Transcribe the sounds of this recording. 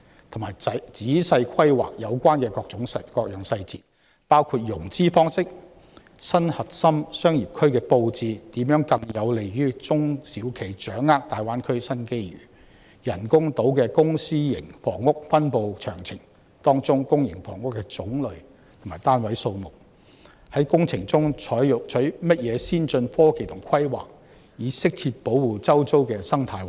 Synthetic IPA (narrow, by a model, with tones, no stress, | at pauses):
t̪ʰʊ˨˩maː˨˩jɐ˨t͡siː˨˥sɐ˧jkʰɐ˥jwa̰ː˨k̚jɐ˨˧wkʷaː˥nkɛː˧kɔː˧k̚t͡sʊ˨˥ŋsɐ˨kɔː˧k̚jœ˨˩ŋsɐ˧jt͡siː˨˩n | paː˥wkʰuː˧t̚jʊ˨˩ŋt͡siː˥fɔː˥ŋsɪ˥k̚ | sɐ˥nhɐ˨t̚sɐ˥msœː˥ŋjiː˨˩p̚kʰɵ˥ɥkɛː˧po˧wt͡siː˧t̪iː˨˥mjœː˨˥ŋkɐ˧ŋjɐ˨˧wle˨jɥyː˥t͡sʊ˥ŋsiː˨˥wkʰe˨˩jt͡ʃœː˨˥ŋːaː˥k̚t̪aː˨jwaː˥nkʰɵ˥ɥsɐ˥nke˥jɥy̰ː˨˩ | jɐ˨˩nkʊ˥ŋt̪o˨˥wkɛː˧kʊ˥ŋsiː˥jɪ˨˩ŋfɔ̰ː˨˩ŋːʊ˥k̚fɐ˥npo˧wt͡ʃʰœː˨˩ŋt͡sʰɪ˨˩ŋ | t̪ɔː˥ŋt͡sʊ˥ŋkʊ˥ŋjɪ̰˨˩ŋfɔ̰ː˨˩ŋʊ˥kːɛ˧t͡sʊ˨˥ŋlɵ˨˧ɥ | t̪ʰmaː˨˩jt̪aː˥nwɐ˨˥jso˧wmʊ˨˩k̚ | hɐ˨˥jkʊ˥ŋt͡sʰɪ˨˩ŋt͡sʊ˥ŋt͡ʃʰɔː˨˥jjʊ˨˩k̚t͡ʃʰɵ˨˥ɥmɐ˥t̚jɛː˨˧siː˥nt͡ʃɵ˧nfɔː˥ke˨˩jt̪ʰʊ˨˩ŋkʰɐ˥jwa̰ː˨k̚ | jiː˨˥sɪ˥k̚tʰiː˧t̚po˨˥wwuː˨t͡sɐ˥wt͡so˥wkɛː˧sɐ˥ŋt̪ʰaː˧˩jw